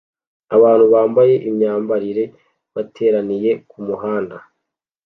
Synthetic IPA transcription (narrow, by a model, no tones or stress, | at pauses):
aβaːnhuβaːmbaje̞ʔimɲaːmbaɾiɾe̞ | βatʰe̞ːɾanije̞kumuɦaːnda